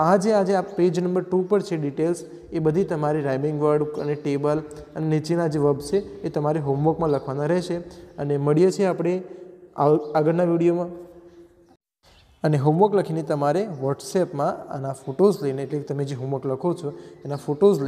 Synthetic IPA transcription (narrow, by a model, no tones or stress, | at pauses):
ad͡ʒead͡ʒeapped͡ʒnəmbəɾʈupəɾt͡ʃʰeɖiʈels | ebəd̪ʱit̪əmaɾiɾajbɪŋɡʋəɾɖkə̰neʈebələnenit͡ʃinad͡ʒeʋəbt͡ʃʰeːt̪əmaɾeɦomʋokmãləkʰʋanaɾɛɦʃeəneməɭijet͡ʃʰeapɽ̃eaaɡəɾnaʋiɽijomã | əneɦomʋəkləkʰinet̪əmaɾeʋəɾʈsepmãa̰nafoʈozləjneːʈleket̪əmed͡ʒeɦoməkləkʰot͡ʃʰoenafoʈoz